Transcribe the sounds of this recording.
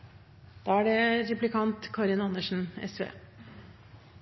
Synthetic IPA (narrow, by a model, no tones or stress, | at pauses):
d̪̥ɑːæɖɛɾɛplɪkʰɑnt̪kʰɑɾɪnɑnəʂn̩ɛ̰sʋḛː